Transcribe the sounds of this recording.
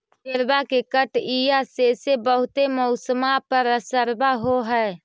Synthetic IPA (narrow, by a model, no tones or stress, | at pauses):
keɾbakekəʈijasesebəɦʊt̪emɔʊsəmapəɾəsəɾbaɦoɦɛː